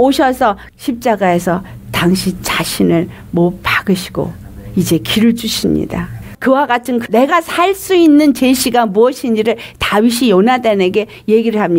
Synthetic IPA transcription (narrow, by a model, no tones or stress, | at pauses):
oɕʰʌsʰʌ | ɕʰip̚t͡ɕ͈aɡae̞sʰʌ | taŋɕʰit͡ɕaɕʰinɯɭ | mopaɡɯɕʰi̥ɡ̥o̰ | id͡ʑe̞kiɾɯɭd͡ʑuɕʰimɲḭdakɯwaɡatʰɯnkne̞ɡasʰaɭs͈uinːɯnt͡ɕeɕʰiɡamuʌɕʰind͡ʑiɾɯɭtawiɕ̬ʰijonadene̞ɡe̞ | je̞ɡiɾɯɭɦamɲi